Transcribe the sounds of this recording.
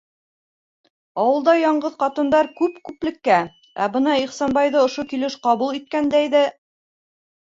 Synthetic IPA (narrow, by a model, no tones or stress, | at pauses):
ɑwɤ̆lˠd̪ɑjɑɴɢɤðqɑt̪ɤ̆nd̪ɑɾkʉpkʉplɘ̆kːæ | æ̰bɤnɑiχsɑnbɑjðɤŏʃokilɘʃqɑβulˠit̪̚kænd̪æjðɘ